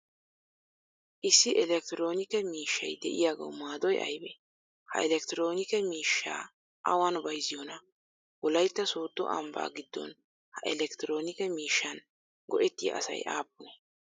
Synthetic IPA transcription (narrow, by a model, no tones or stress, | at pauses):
ʔɪsːɪʔɛlɛk̚t̪ɪɾo̞ːnɪkɛmiːʃːɐjd̪ɛʔɪjaːɡɐ̰wmaːd̪ɔjʔɐ̰jbɛ | hɐ̰ɛlɛk̚t̪ɪɾo̞ːnɪkɛmiːʃːa̰ː | ʔɐwanbɐjzɪjɔnɐ | wɔlɐjt̪ːɐsoːt̪ːɔ̰ʔɐ̰mba̰ːɡɪd̪ːɔ̰n | hɐʔɛlɛkt̪ɪɾo̞ːnɪkɛmiːʃːɐn | ɡɔʔɛt̪ːɪjɐ̰ʔɐ̰sɐ̰jʔaːp̚ːʊnɛ